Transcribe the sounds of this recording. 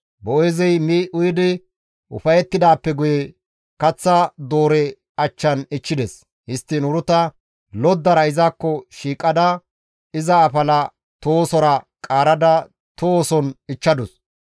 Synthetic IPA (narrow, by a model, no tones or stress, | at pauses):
bɔʔɔjzɛjmiʔʊjɪd̪ɪ | ʔʊ̰fɐjɛt̪ːɪd̪aːpːɛɡʊjɛ | kɐt͡sːɐd̪oːɾɛ | ɐt͡ʃːɐnɪt͡ʃːɪd̪ɛs | hɪst̪ːɪnʊɾʊt̪ɐ | lɔd̪ːɐɾɐɪzakːɔʃiːkʼɐd̪ɐ | ɪzɐːfɐlɐ | t̪oːsɔɾɐ | kʼaːɾɐd̪ɐ | t̪oːsɔnɪt͡ʃːɐd̪ʊs